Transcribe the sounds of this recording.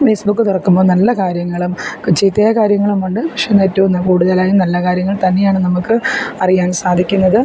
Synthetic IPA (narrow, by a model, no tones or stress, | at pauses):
feːsbukːɨt̪urɐkːumbo̞ːnɐlːɐkaːɾjɐŋːɐɭumkt͡ɕiːt̪ːɐjɐkaːɾjɐŋːɐɭumuɳɖɨʋiʂɐjɐnetːuʋunːɐkuːɽuðɐlaːjumnɐlːɐkaːɾjɐŋːɐɭt̪ɐnːe̞jaːɳɨnɐmukːɨɐrijaːnsaːd̪ʱikʲːunːɐðɨ